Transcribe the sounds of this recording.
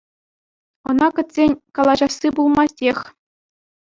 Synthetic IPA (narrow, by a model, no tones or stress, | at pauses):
ɤ̆nɑkɘ̆t̪ʲsʲenʲkɑlˠɑʑɑsːibulˠmɑsʲtʲexʲ